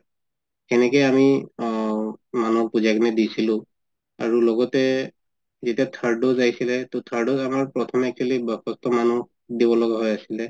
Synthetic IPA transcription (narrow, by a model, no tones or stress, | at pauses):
kɛnɛkɛami | manuɔk̚puzakɔnɛdisilʊ̃ | a̰ɹulɔɡɔtɛ | zetijatʰaɹdozajsilɛtot̪ʰaɹdozamaɹpɹɔtʰɔmɛk̚t͡ʃʰwalibkɔstɔmanuk | dibɔlɔɡaɦɔjasilɛ